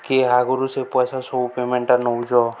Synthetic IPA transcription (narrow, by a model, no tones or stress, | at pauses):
keɦaɡɔɾusepɔsasɔupemeɳʈaɾnɔwd͡ʒɔ